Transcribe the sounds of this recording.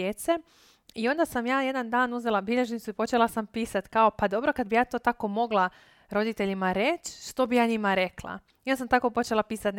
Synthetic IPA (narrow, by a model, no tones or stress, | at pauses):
et̪se | io̞nd̪asamjaːje̞d̪and̪aːnuze̞lˠabiʎe̞ʒnit̪suipo̞t͡ʃe̞lasampiːsat̪kao̞pad̪o̞bɾo̞kad̪̚bijaːt̪o̞ːt̪ako̞mo̞ɡlˠa | ɾo̞d̪it̪e̞ʎimaɾet͡ɕʃt̪o̞bijaːɲimaɾe̞klˠa̰ | onsamt̪ako̞po̞t͡ʃe̞lˠapiːsat̪n